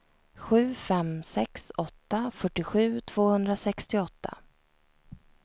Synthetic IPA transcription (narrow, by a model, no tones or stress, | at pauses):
ɧʉ̟ːfɛmsɛksɔt̪ːafœʈːɪɧʉ̟ːt̪ʰv̥oːhɵnd̪ɾasɛkst̪ɪɔt̪ʰːa̰